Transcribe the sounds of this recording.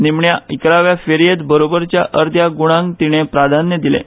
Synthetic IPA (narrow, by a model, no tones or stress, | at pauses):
nimɳjaikɾaʋjafeɾijet̪bəɾobəɾt͡ɕjaʔəɾd̪ʱjaɡuɽ̃ãŋkt̪iɽ̃epɾad̪ʱanjəd̪ilḛ